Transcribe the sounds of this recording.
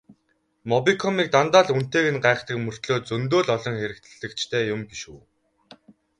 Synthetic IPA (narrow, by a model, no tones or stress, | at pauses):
mɔpikʰɔmiːk̚t̪ant̪aːɮun̥t̪eːɣɘ̆nɢaːχt̪ə̆kmɵr̥t̪ɮoːt̪t͡sɵnt̪̬oːɮɔɮɞ̆ŋxeɾɘ̆kt̪ʰɘ̆ɮɘ̆kt͡ɕʰt̪ʰeːjʊmpiʃuː